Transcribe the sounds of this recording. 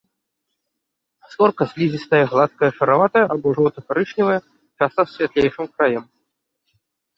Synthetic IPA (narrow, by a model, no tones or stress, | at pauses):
sɔrkɐsʲlʲizʲist̪ɐjɐɣlˠat̪̚kɐjɐʂɐɾavat̪ɐjɐʔabɔʐɔwt̪ɐkaɾɨʂnʲivɐjɐ | t͡ʂast̪ɐsʲvʲat̪lʲejʂɨmkɾajɛm